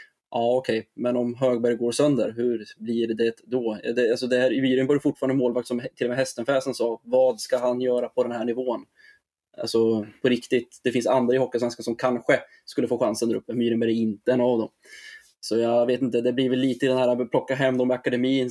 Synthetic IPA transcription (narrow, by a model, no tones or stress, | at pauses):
ʔɑːɔkʰɛjmɛnɔmɦøːɡ̚bæɾjɡoːɾsœnd̪əɾɦɵɾbliɖd̪ɛtd̪ɔd̪ɛalsɔd̪ɛæɾɪmyːɾənvɑːɾjfʊʈfɑːɾand̪əmoːlvak̚t̪sɔmt̪ʰɪlːɔmɛɦɛst̪ənfɛːsənsɑːvɑːd̪skaɦanjœːɾapʰɔd̪ɛnhæːɳɪvoːn | ʔa̰lsɔpʰɔɾɪkt̪ɪt̪d̪ɛfɪnsand̪ɾaɪhɔkːasvɛnskansɔmkʰanɧə | skɵlːəfoːɧansənd̪æɾɵ̰pːəmyːɾɪmbæɾɛɪnt̪əɛnavd̪ɔm | sɔjaveːt̪ɪnt̪əd̪ɛbliːvɪlːiːt̪əɪd̪ɛnhæːɾapʰlɔkːaɦɛmːd̪ɔmːɛakad̪ɛmiːn